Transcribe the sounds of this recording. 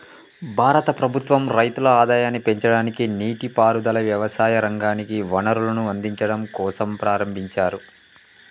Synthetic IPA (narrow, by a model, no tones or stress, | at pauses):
bʱaːɾɐt̪ɐpɾɐbʱut̪ʋɐmɾɐjt̪ulɐaːd̪aːjaːnːipe̞ɲt͡ʃɐɽaːnikiniːʈipaːɾud̪ɐlɐʋjɐʋɐsaːjɐɾɐŋɡaːnikiʋɐnɐɾulɐnuɐnd̪iɲt͡ʃɐɽɐmkɔːsɐmpɾaːɾɐmbʱiɲt͡ʃaːɾu